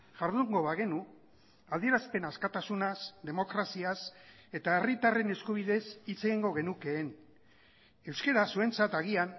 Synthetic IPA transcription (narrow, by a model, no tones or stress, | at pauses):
ʝaɾðuŋɡo̞βaɣe̞nu | ald̪ie̞ɾaspe̞naskat̪asunasd̪e̞mo̞kɾasias | e̞t̪aerit̪are̞ne̞skuβ̞iðe̞sit͡se̞ɣiŋɡo̞ɣe̞nuke̞ːn | e̞wske̞ɾasue̞nt͡sat̪aɣ̞ian